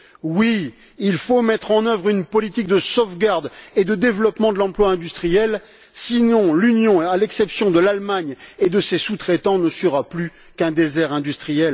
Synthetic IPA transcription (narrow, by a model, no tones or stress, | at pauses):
wi | ilfomɛt̪χɑ̃nœvʁynpɔlit̪ik̚d̪əsofɡaʁd̪ed̪əd̪evlɔpmɑ̃d̪əlɑ̃plwaɛ̃d̪yst̪χijɛl | sinɔ̃lynjɔ̃alɛksɛpsjɔ̃d̪əlalmaɲed̪əsesut̪χɛt̪ɑ̃nəsəʁaply | kɛ̃d̪ezɛʁɛ̃d̪yst̪χijɛl